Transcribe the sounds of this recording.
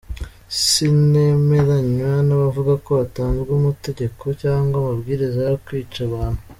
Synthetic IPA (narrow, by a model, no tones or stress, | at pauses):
ssineme̞ɾaɲwanaβavuɡako̞βataːnzɡumute̞ɟe̞kʰo̞caːŋɡwamabɡiːɾizajkwiːt͡ʃaβaːn̥hu